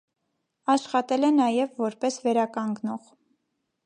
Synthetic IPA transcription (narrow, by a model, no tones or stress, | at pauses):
ɑʃχɑt̪ɛlɛnɑjɛvːɔɾpɛsvɛɾɑkɑŋɡnɔʁ